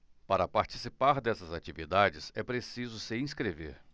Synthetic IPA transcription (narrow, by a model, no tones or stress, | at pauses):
paɾɐpaɾt͡ʃi̥sipaɾd̪ɛsɐzat͡ʃivid̪ad͡ʒɪsɛpɾesizʊsɪĩskɾevḛɾ